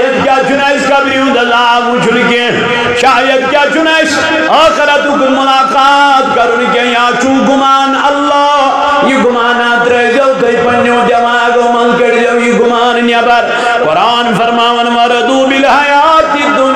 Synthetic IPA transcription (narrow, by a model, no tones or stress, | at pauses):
jɐt̪kʲjaːt͡ʃunɐskɐbɾiũnd̪ɐzaːmũt͡ʃʰunkẽ | ʃaːjɐt̪̚kʲjaːt͡ʃunɐs | ɐːxɐɾɐt̪ukunmʊlaːkaːt̪kɐɾunkẽjaːt͡ʃũɡumaːnɐlːɔː | jiɡʊmaːnaːt̪ɾɐjd͡ʒɐwt̪ɐjpɐnːjõːd̪jɐmaːɡomɐlkɐɽd͡ʒɐwjiɡʊmaːnnjɐbɐɾ | kɔɾaːnfɐɾmaːʋɐnʋɐɾɐd̪ubilɦɐjaːt̪id̪u